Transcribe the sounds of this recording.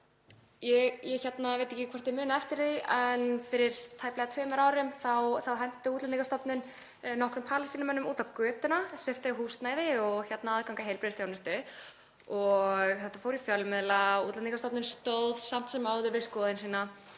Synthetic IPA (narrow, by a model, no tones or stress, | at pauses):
jɛɣjɛçɛt̪navejt̪ɛhcɪkʰvaɾ̥t̪ɪɾmʏːnaɛft̪ɪɾ̥θiɛnfɪɾɪɾ̥t̪ʰaːjplɛɣat̪ʰœːmɛɾaːwɾɪmθawθawɦɛn̥t̪ʏuːt̪lanikːast̪ɔp̪nʏn | nɔhkɾʏmpʰaːlɪst̪iːnamɛnːʏmuːt̪awkœːt̪ʏnasɛft̪ɪɦuːst̪naːjðɪɔɣçɛt̪naaðkawŋkaɦejlpɾɪðɪst̪jawnɪst̪ʏ | ɔɣɣθɛht̪afowɾifjœlmɪðlaṵt̪lanikast̪ɔp̪nʏnst̪owð̥sam̥t̪sɛmawðʏɾvɪskɔːðɪnsiːna